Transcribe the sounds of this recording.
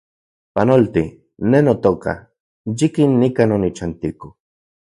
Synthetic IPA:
panolt̪i | nenot̪oka̰ | jikinːikanonit͡ʃant̪iko

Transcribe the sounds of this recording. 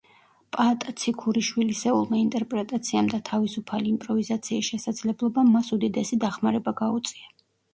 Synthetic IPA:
pʼat̪ʼat̪sʰikʰuɾiʃwilisɛulˠmaint̪ʼɛɾpʼɾɛt̪ʼat̪sʰiamd̪at̪ʰavisupʰaliːmpʼɾɔvizat̪sʰiːsʃɛsad̪z̥lɛblˠɔbamːasud̪id̪ɛsid̪aχmaɾɛbaɡaut̪sʼia

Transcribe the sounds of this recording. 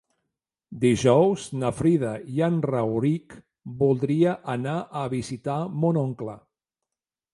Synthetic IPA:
d̪iʒɔwznəfɾiðəjanrawɾik | bulˠd̪ɾiəʔənaʔəβizit̪amonoŋklə̰

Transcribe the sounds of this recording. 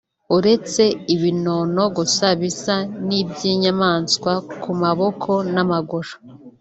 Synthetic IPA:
uɾe̞t͡se̞iβino̞no̞ɡusaβisanibɟjiːɲamaːnskwakumaβo̞kʰo̞namaɡoɾḁ

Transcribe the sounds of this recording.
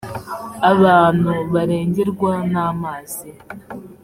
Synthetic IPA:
aβanuβaɾeːɲɟiɾɡwanamaze

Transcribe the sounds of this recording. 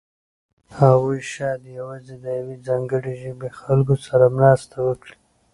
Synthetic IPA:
haɣujʃɑd̪jawɑzed̪əjawezɑŋɡəɽeʒəbexalɡosaɾamnɑst̪awəkɽi

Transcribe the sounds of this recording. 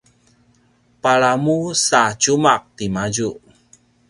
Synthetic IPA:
paɭamusat͡ʃumak̚t̪imad͡ʒuʔ

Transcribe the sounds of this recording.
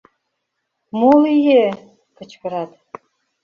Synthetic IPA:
molˠije | kɤ̆t͡ɕkɤ̆ɾɑt̪

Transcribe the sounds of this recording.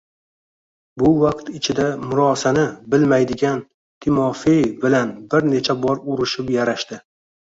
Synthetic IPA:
bʊvaqt̪ɪt͡ʃʰɪd̪amʊɾɒsanɪbɪlmajd̪ɪɡʲan | t̪ʰɪmɒfejbɪlanbɪɾne̞t͡ʃʰabɒɾʊɾɪʃɪpjaɾaʃt̪ɪ

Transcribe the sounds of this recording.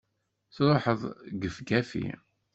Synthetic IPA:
θɾˤoħəðˤɡəfɡæfḭ

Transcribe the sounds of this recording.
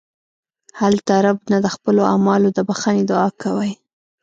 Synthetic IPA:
halt̪aɾabnad̪əxpəloamɑlod̪əbaxaned̪ɑkawaj

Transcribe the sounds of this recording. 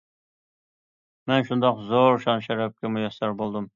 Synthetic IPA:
mɛnʃund̪ɑqzoɾʃɑnʃɛɾɛp̚kʲɛmujɑsɑɾbolˠd̪um

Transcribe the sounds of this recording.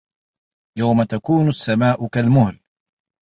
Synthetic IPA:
jawmat̪akuːnʊasːamaːʔʊkalmʊhl

